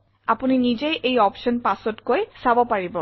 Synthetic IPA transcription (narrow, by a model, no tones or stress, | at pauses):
apuninid͡ʑejʔejɔpʃɔnpasɔtkojsabɔpaɹibɔ